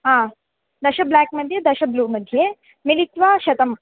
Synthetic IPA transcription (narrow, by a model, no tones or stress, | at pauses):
ɦãː | d̪ɐʃɐblaːkmɐd̪ʱjed̪ɐʃɐbluːmɐd̪ʱːje | milit̪ʋaːʃɐt̪ɐm